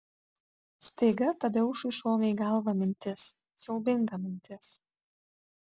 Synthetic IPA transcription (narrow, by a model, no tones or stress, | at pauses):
sʲt̪ʲɛɪɡɐt̪ɐd̪ʲɛʊʃʊɪʃoːmʲɛɪɡɐlˠʋɐmʲɪnʲt̪ʲɪs | sɔʊbʲɪŋɡɐmʲɪnʲt̪ʲɪs